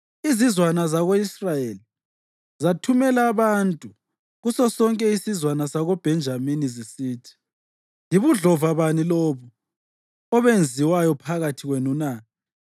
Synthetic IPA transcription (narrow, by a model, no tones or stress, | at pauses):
izizwanazaɣoisrajeli | zatʰumɛlaːβantʼu | ɣusɔsɔŋkʼɛisizwanasaɣob̥ʱɛnd͡ʒʱaminizisiːtʰi̥ | liβuɮɔvaβaniloβu | ɔβend͡zʱiwajɔpʰaɣatʰiɣwenunaː